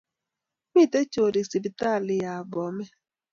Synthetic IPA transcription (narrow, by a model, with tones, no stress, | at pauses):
mi˦˨te˦t͡ʃo˨ɾi˨si˨bi˨ta˦˨lɪ˨ja˨bɔ˨˦me˦